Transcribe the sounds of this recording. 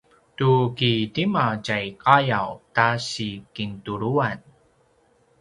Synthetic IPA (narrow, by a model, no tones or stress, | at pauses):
tukitimacajkajawtaɕikintuɾuan